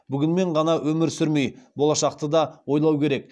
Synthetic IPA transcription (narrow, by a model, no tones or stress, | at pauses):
bʏɡʲɪnme̞ɴʁɑnɑwʔɵmɪɾsʏɾmejbolˠɑʃɑqt̪əd̪ɑwo̞jlˠɑwkʲʰe̞ɾe̞k̚